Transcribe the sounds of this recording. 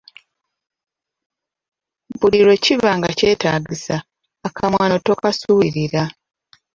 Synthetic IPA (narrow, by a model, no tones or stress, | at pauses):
buliɾo̞civaːŋɡace̞ːtaːɟisaː | kʰamwaːno̞to̞kasuβiɾiɾa